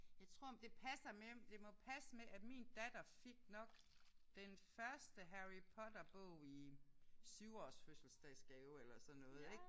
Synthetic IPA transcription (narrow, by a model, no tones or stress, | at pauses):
jɑ̈ɪt͡sʰʁo̝ɐ̰d̥e̝pʰæsɐmemd̥e̝mɒ̽pʰæsəmeʔæmiːnd̥æd̥ɐfiɡ̥nɒ̽ɡ̥ | d̥enfɶɐsd̥əɦæʁipʰɒ̽d̥ɐb̥ɔ̰ʊ̰isyʊɒ̰ːsføsl̩sd̥ɛ̥sɡ̥ɛʊelɐsɒ̽nːɔ̽ːð̩ˠe̝ɡ̥